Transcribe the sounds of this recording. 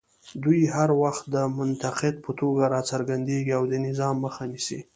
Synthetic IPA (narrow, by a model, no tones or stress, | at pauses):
d̪ujhaɾwaxt̪̚d̪əmʊnt̪aqɪd̪̚pʰət̪oɡaɾɑt͡saɾɡand̪eɡiawd̪ənɪzɑmːəxanisḭ